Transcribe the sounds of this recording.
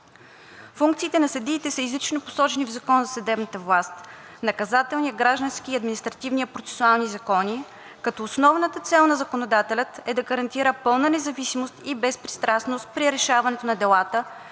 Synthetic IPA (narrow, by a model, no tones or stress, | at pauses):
fuŋk̚t̪siːt̪ɛnɐsɐd̪iːt̪ɛsəizlit͡ʃnopo̥sɔt͡ʃɛnivzɐkɔnzɐsɐd̪ɛbnɐt̪əvlˠast̪ | nɐkɐzat̪ɛlˠnijəɡɾaʒd̪ənskiːɐd̪minist̪ɾɐt̪ivnijəpɾot̪sɛ̥sualˠnizɐkɔni | kɐt̪ɔːsnɔvnət̪ət̪sɛlˠnɐzɐkonod̪at̪ɛlʲət̪ɛd̪ɐɡəɾɐnt̪iɾəpɤlˠnənɛzɐvisimost̪ibɛspɾist̪ɾasnost̪̚pɾiɾɛʃavɐnɛt̪onɐd̪ɛlˠat̪ə